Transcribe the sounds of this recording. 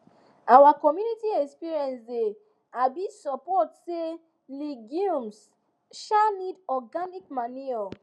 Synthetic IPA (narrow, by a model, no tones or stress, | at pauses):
awakɔmjunitiɛkspiɹiɛ̃nsde | abisɔpɔtse | liɡũms | ʃanidɔɡanik̚maniɔ